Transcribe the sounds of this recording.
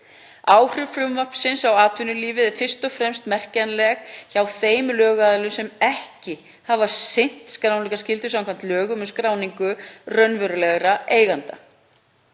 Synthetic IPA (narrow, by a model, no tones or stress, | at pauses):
aːwr̥ʏfɾʏmvœpsɪnsawaːt̪ʰvʏnʏliːvɪðɛɾfɪr̥st̪ɔfɾɛmst̪mɛr̥canlɛxçawθeːjmlœːɣaðlʏsɛmɛhcɪ | havasejn̥t̪skɾawnlikascɪlt̪ʏsamkʰvam̥t̪lœːɣʏmʏnskɾaːwniŋkʏrœnvʏɾʏlɛɣɾaʔeːjɣant̪a̰